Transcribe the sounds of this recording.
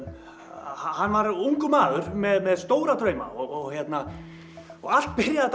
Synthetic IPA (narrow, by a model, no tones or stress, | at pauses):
hahanːvaɾuŋkʏmaːðʏɾmɛðmɛðst̪oːwɾat̪ʰɾœːɥma̰ɔɣɔɣçjɛt̪na | ɔɣal̥t̪̚pɪɾjaðt̪